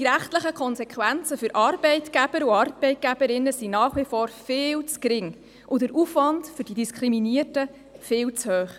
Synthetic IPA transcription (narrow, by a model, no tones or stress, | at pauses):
d̥iɾæχtləχəkʰχɔnsɛkχʋænt͡səfʏɾʔɑɾbɛɪtɡæb̥əɾuɑɾbɛɪt̚ɡ̥æb̥əɾɪnːəsinɑːχʋifɔːɾfɪːlt͡skɾɪŋ | ʔʊdəɾufʋɑntfʏɾd̥idiskʰɾiminiərtə | fɪːlt͡shøːχ